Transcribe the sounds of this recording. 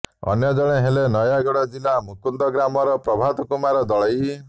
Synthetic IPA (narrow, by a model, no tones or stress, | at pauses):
ɔ̰njɔd͡ʒɔɽ̃eɦelenɔjaɡɔɽɔd͡ʒilamukund̪ɔɡɾamɔɾɔpɾɔbʱat̪ɔkumaɾɔd̪ɔɭɔj